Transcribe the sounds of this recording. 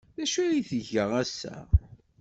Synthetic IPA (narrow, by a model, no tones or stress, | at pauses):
ðæʃæjiθəʝəʁæsːæ̰